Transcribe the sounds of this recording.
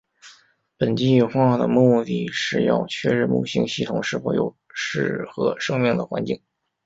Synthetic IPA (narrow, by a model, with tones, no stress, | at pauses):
pə˨˩nt͡ɕi˥˧˩xwa˥˧˥d̪ə̰˩mu˥˧t̪i˥˧ʂɻ̩˥˧jɑ̰˥˧ʊt͡ɕʰɥɛ˥˧ɻ̩˥˧mṵ˥˧ɕi˥ŋɕi˥˩t̪ʰʊ˨˩ŋʂɻ̩˥˩fo˧˥jo̰˨˩ʊ | ʂɻ̩˥˩xɤ˧˥ʂɤ˥ŋmi˥˩ŋd̪ə̰˩xwa˧˥nt͡ɕi˥˩ŋ